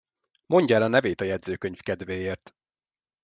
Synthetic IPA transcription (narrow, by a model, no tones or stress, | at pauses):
mo̞ɲɟɒɛlɒnɛveːt̪ɒjɛd̪zøːkøɲfkɛd̪veːjeːrt̪